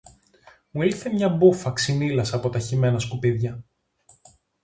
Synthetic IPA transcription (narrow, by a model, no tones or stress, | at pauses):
muilθemɲɐbufɐksinilɐsɐpo̞t̪ɐçime̞nɐskupiðʝɐ